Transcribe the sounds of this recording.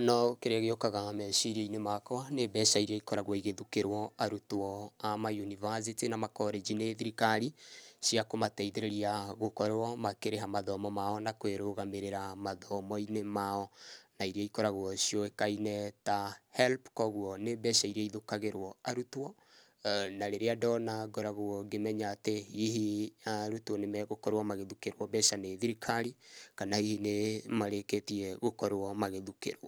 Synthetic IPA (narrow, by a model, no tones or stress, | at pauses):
nɔkeɾeaɣeokaɣamɛʃiɾiainemakɔnebɛʃaiɾiaikɔɾaɣwɔiɣeðukeɾwɔaɾutwɔamajunivas̬itinamakɔɾed͡ʒineðiɾikaɾiʃiakomatɛiðeɾeɾiaɣokɔɾwɔmakeɾeɦamaðɔmɔmaɔnakweɾoɣameɾeɾamaðɔmɔinemaɔnaiɾiaikɔɾaɣoɔsiɔekainɛtahɛlpkɔɣuɔnebɛʃaiɾiaiðokaɣeɾwɔaɾutwɔ | naɾeɾeadɔnaɡɔɾaɣoɔɡemɛɲaːteiɦiaɾutwɔnemɛɣokɔɾewamaɣeðukeɾwɔbɛʃaneðiɾikʰaɾikanaihinemaɾeketiɛɣokɔɾwɔmaɣeðukḛɾwɔ